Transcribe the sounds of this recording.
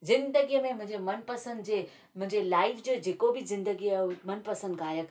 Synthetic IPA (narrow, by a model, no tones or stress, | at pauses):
zɪ̃nd̪əɡijəmẽmʊ̃ɦɲd͡ʑemɐnpɐsə̃nd̪d͡ʑeː | mʊ̃ɦɪ̃ɲd͡ʑelaːɪfʰd͡ʑoːd͡ʑeːkobɪzɪ̃nd̪əɡiaomɐnpɐsə̃nd̪ɡaːjək